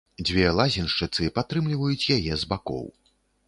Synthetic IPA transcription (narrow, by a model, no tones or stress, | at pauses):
d͡zʲvʲɛlˠazʲinʂt͡ʂɨt̪sɨpat̪ɾɨmlʲivɐjut͡sʲjajɛzbakɔ̰w